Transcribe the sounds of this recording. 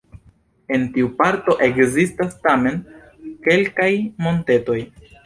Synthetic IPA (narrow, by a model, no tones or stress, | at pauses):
e̞ntiupaɾto̞ʔe̞kzistastame̞n | ke̞lkajmo̞nte̞to̞j